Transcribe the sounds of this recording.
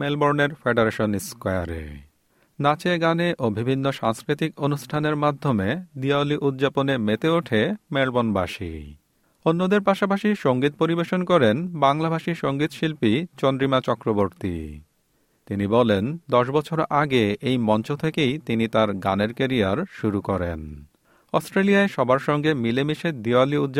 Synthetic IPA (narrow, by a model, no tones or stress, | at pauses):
melboɾneɾfeɖeɾeʃonskɔja̰ɾḛ | nat͡ɕeɡaneʔobʱibʱinːoʃaŋskɾit̪ikonuʃʈʰaneɾmad̪ʱːomed̪iaoliʔud̪̚d͡ʑaponemet̪eoʈʰemelbonbaʃḭ | onːod̪eɾpaʃapaʃiʃoŋɡit̪̚poɾibeʃonkɔɾenbaŋlabʱaʃiʃoŋɡit̪ʃilpit͡ɕɔnd̪ɾimat͡ɕɔkɾoboɾt̪ḭ | t̪inibɔlend̪ɔʃbɔt͡ɕʰoɾaɡeʔejmɔnt͡ɕot̪ʰekejt̪init̪aɾɡa̰neɾkeɾiaɾʃuɾukɔɾḛn | ɔsʈɾelijaeʃɔbaɾʃɔŋɡemilemiʃed̪ialiud̪d͡ʑ